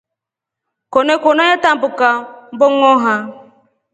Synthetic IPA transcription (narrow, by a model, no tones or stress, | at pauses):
konekonoɲetam̩bʊkam̩bʊŋɔɦa